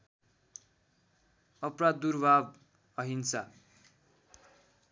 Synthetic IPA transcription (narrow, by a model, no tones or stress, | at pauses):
ʌprad̪d̪urbʱab | ʌɦinsa